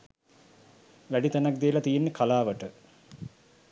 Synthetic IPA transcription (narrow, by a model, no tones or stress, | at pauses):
ʋæɖit̪ænak̚d̪ejəlat̪ijenːəkʰalaːʋəʈə